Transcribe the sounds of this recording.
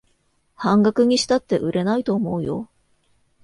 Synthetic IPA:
hãŋɡakɯ̟ɲ̟iɕi̥t̪at̪ːe̞ʔɯ̟ɾʔe̞nait̪o̞ːmo̞ɯ̟jo̞̰

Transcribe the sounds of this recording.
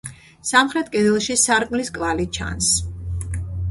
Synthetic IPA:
samχɾɛt̪̚ʰkʼɛd̪ɛlˠʃisaɾkʼmliskʼvalit͡ʃʰa̰ns

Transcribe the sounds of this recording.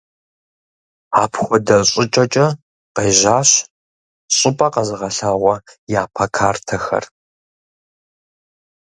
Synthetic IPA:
aːpʰxʷɔdɐɕʼɪt͡ʃʼɐt͡ʃʼɐ | qeːʑaːɕ | ɕʼɪpʼɐqɐzɨʁɐɬaːʁʷɔjaːpʰɐkʰaːrtʰɐxɐ̰r

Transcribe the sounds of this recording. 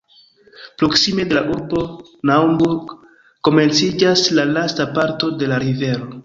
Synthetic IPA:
pɾo̞ksime̞de̞laʔuɾbo̞ | naumbuɾɡ | ko̞me̞nt͡sid͡ʒaslalastapaɾto̞de̞laɾive̞ɾo̞

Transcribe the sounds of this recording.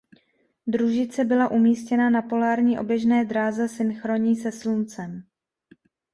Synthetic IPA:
d̪ɾuʒɪt͡sɛbɪlaʔumiːscɛnanapo̞laːɾɲiːʔo̞bjɛʒnɛːd̪ɾaːzɛsɪnxɾo̞ɲiːsɛslunt͡sɛm

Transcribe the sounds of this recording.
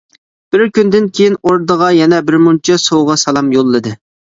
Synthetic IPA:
b̥ɪɾkʲynd̪ɪnkʲʰejinoɾd̪əʁɑjɛnɛbɪɾmunt͡ʃʰɛsowʁɑsɑlˠɑmjolˠːɨd̪ɨ

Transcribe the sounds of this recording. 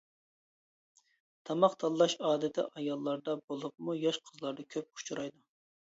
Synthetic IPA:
t̪ʰɑmɑqt̪ʰɑlˠːɑʃɑːd̪ɪt̪ʰɪ̰ʔɑjɑlˠːɑɾd̪ɑbolˠup̚mujɑʃqʰəzlˠɑɾd̪ɑkʲʰøp̚u̥t͡ʃʰuɾɑjd̪u

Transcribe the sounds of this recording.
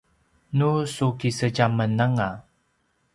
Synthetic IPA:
nusukisəɟamənaŋa

